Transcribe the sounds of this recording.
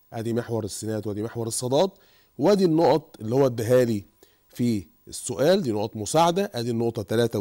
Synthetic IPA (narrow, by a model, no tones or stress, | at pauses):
ʔæ̰ːd̪iːmeħwɑɾˤesːenæːd̪wæːd̪iːmeħwɑɾˤesˤːɑd̪ˤɑːt̪ˤ | wæd̪iːnːoʔɑt̪ˤʔelːihowːæd̪ːæɦæːli | fi | esːoʔæːld̪iːnoʔɑt̪ˤmʊsaʕad̪æʔæːd̪iːnːoʔt̪ˤɑt̪ælæːt̪æ